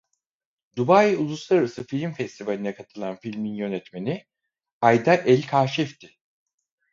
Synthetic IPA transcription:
d̪ubajulˠuslˠaɾaɾasɯfilʲimfɛst̪ivalʲinɛkʰat̪ʰɯlˠanfilʲminjø̞nɛt̪me̞ni | ajd̪aʔɛlʲkʰaːʃɛft̪ʰɪ

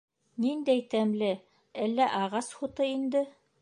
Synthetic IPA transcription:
nind̪æjt̪æmlɘ | ælːæʔɑʁɑsχut̪ɤind̪ɘ

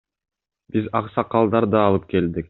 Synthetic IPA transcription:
bizɑqsɑqːɑlˠd̪ɑɾd̪ɑːlˠɯp̚ke̞ld̪ik̚

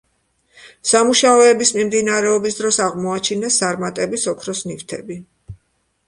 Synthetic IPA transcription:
samuʃaɔɛbismimd̪inaɾɛɔbisd̪ɾɔsaʁmɔat͡ʃʰinɛst̪ʼaɾmat̪ʼɛbisɔkʰɾɔsnift̪ʰɛbi

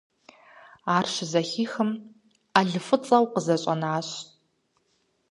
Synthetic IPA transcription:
aːrɕɪzɐxiːxɨm | aɮɨfɨt͡sʼɐwqəzɐɕʼɐ̰naːɕ

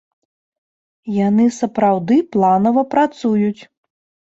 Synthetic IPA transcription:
janɨsɐpɾawd̪ɨplˠanɐvɐpɾat̪sujut͡sʲ

